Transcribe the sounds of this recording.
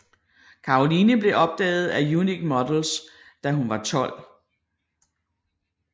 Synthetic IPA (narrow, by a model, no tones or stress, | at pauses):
kʰɑ̈o̝linəb̥le̝ʔɒ̽b̥̚d̥ɛ̰ːð̞̩ˠæjuniɡ̥mɒd̥l̩s | d̥æɦunʋɑ̈t͡sʰɒ̽l̰